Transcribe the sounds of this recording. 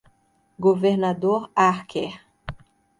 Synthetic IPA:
ɡoveɾnad̪oɾaχkʰeχ

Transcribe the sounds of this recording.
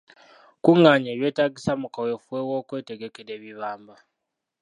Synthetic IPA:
kuŋaːɲeːβje̞ːtaːɡisamukawefuwe̞wo̞ːkwe̞ːte̞ɡe̞keɾe̞ːβiβaːmba

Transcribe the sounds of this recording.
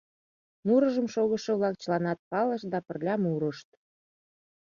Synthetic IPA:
nuɾəʒəmʃoɣəʃɤ̆βlɑk̚t͡ɕəlɑnɑt̪̚pɑləʃd̪ɑpə̆rlʲɑmuɾəʃt̪̚

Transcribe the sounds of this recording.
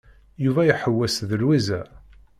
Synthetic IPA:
juvæjəħəwːæsðəlwizæ̰

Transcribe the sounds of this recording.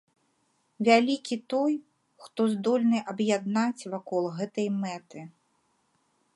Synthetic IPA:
vʲalʲikʲit̪ɔj | xt̪ɔzd̪ɔlʲnɨʔɐbjad̪̚nat͡sʲvakɔlˠɣɛt̪ɐjmɛt̪ɨ

